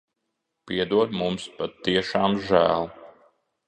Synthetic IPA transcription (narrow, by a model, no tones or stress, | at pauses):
piɛd̪uɔɾmumspat̪ːiɛʃɑːmʒæ̰ːlˠ